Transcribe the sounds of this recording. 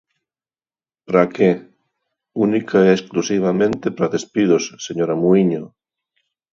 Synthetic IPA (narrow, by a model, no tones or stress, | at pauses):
pɾake | unikʰaɛːsklusiβ̞amẽnt̪epɾaðespiðosseɲoɾamuiɲo